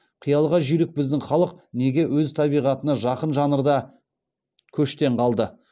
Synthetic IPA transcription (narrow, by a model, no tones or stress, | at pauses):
qʰijɑlˠʁɑʒʏjɾɪk̚bɪzd̪ɪŋχɑlˠəqne̞ɡʲe̞wɵzt̪ʰɑbijʁɑt̪ənɑʒɑqənʒɑnəɾd̪ɑ | kʲʰɵʃt̪e̞ɴqʰɑlˠd̪ə